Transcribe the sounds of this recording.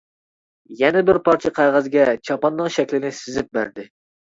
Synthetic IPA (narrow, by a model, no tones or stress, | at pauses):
jɛnɛbɪɾpʰɑɾt͡ʃʰiqʰæʁæzɡʲɛt͡ʃʰɑpɑnːɨŋʃɛkʲlɪnɪsɪzɪp̚bæ̰ɾd̪ɪ